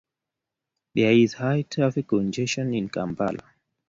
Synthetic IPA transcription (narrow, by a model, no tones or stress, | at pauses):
iaizhajtʰɾafikund͡ʒɛʃɔninkamba̰la̰